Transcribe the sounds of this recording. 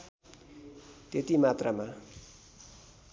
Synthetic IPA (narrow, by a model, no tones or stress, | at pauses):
t̪et̪imat̪rama